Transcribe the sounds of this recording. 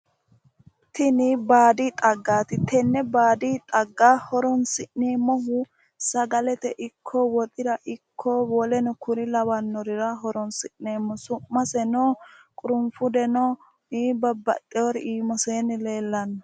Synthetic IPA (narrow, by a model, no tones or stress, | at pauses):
t̪ɪnɪbaːd̪it̪ʼɐɡːaːt̪ɪt̪ɛnːɛbaːd̪it̪ʼɐɡːaːhɔɾɔnsɪʔneːmɔɦʊ | sɐɡɐlɛt̪ɛʔɪkʰːɔwɔt̪ʼɪd̪ɐʔɪkʰːɔwɔlɛnʊkʰʊɾɪlɐwɐnːɔɾɪɾɐɦɔɾɔnsɪʔneːmːɔsʊmːɐsɛnoːkʼʊɾʊmfʊd̪ɛnɔ | iːbɐbːɐ̰t̪ʼːɛɔɾiːmɔseːnɪle̞ːlːɐnːɐ